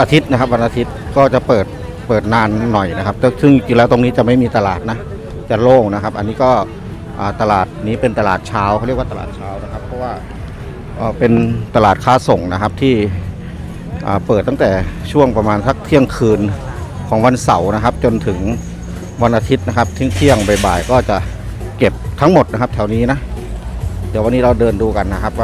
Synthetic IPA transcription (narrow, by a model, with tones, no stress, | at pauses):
ʔaː˧t̪ʰi˦˥t̪̚na˦˥kʰa˦˥p̚wa˧nʔaː˧t̪ʰi˦˥t̪̚kɔː˥˩t͡ɕa˨˩pɤː˨˩t̪̚ | pɤː˨˩t̪̚naː˧nːɔ˨˩jna˦˥kʰa˦˧p̚t̪ːsɯ˥˩ŋki˧˩lɛː˦˥wt̪o˧ŋniː˦˥t͡ɕa˨˩ma˥˩jmiː˧t̪a˧laː˨˩t̪̚na˦˥ | t͡ɕa˨˧˩loː˥˩ŋna˦˥kʰa˦˥p̚ʔa˧nːiː˦˥kɔː˥˩ | ʔaː˨˩t̪a˧laː˨˩t̪̚niː˦˥˩pe˧nt̪a˧laː˨˩t̪̚t͡ɕʰaː˦˥wkʰːi˥˩waː˧˩˧a̰ː˨˩t̪̚t͡ɕʰaː˦˧˥wna˦˥kʰa˧˥pʰːɔː˧˥waː˧˥˩ | ʔəː˨˩pe˧nt̪a˧laː˨˩t̪̚kʰaː˧˩so˨˩˦ŋna˦˥kʰa˦˧˥p̚t̪ʰiː˧˥˩ | ʔaː˨˩pɤː˨˩t̪ːa˥ŋt̪ɛː˨˩t͡ɕʰu˥˩əŋpa˧maː˧nsa˦˥k̚t̪ʰi˧˩əŋkʰɯː˧nkʰɔː˩˦ŋwa˧nsa˩˦wna˦˥kʰa˦˥p̚t͡ɕo˧nt̪ʰɯ˨˩˦ŋ | wa˧nʔaː˧t̪ʰi˦˥t̪̚na˧˥kʰa˦˥p̚t̪ʰi˧˥˩ŋt̪ʰi˧˥˩əŋba˨˩jbaː˨˩jkɔː˥˩t͡ɕa˨˩ | ke˨˩p̚t̪ʰa˦˥ŋmo˨˩t̪̚na˦˥kʰa˧˥p̚tʰɛ˧˩wniː˦˥na˦˥ʔ | t̪ɛː˨˩wa˧nːiː˦˥ɾa˧wdɤː˧nduː˧ka˧nːa˦˥kʰa˧˥p̚a˧˩